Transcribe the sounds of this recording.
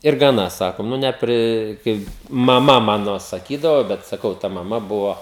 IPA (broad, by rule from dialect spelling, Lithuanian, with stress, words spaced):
ɪr ɡɐˈnɐ ˈsɑːkoːm ˈnʊ nʲɛˈpʲrʲɪ ˈkɐɪ mɐˈmɐ ˈmɑːnoː sɐˈkʲiːdɐʋoː bʲɛt sɐˈkɐʊ tɐ mɐˈmɐ ˈbʊʋoː